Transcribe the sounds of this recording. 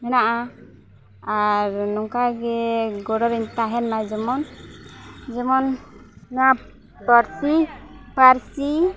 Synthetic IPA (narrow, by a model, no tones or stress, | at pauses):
ɦɛnaʔa | aɾnɔŋkaɡɛɡɔɽɔɾiɲt̪aɦɛnmad͡ʒɛmɔn | d͡ʒɛmɔnː | a | pəɾsipaɾsi